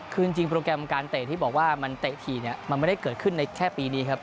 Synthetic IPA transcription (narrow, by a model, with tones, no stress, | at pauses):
kʰɯː˧ŋt͡ɕi˧ŋpɾoː˧kɾɛ˧mkaː˧nt̪e˨˩t̪ʰiː˥˩bɔː˨˩k̚waː˥˩ma˧nt̪eː˨˩t̪ʰiː˨˩ni˥˩ɐma˧nma˥˩da˥˩kɤː˨˩t̪̚kʰɯ˥˩nːa˧jkʰɛː˥˩piː˧niː˦˥kʰa˦˥p̚